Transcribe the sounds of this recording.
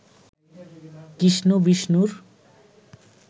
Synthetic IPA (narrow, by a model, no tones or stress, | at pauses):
kisnubisnuɾ